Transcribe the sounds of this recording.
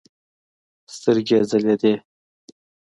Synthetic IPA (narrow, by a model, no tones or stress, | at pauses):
st̪əɾɡʲezəled̪e